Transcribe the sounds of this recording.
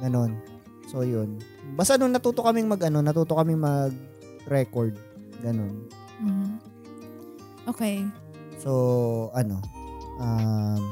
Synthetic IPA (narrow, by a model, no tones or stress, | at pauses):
ɡɐno̞n | so̞jʊn | bɐst̪ɐnʊŋnɐt̪uːt̪oʔkɐmɪŋmɐɡʔɐno̞nɐt̪uːt̪okɐmɪŋmɐɡ̚ | ɾɛkoɹd̪̚ | ɡɐno̞n | m̩ːh̩ | ʔoːkɛj | so̞ʔɐno̞ʔam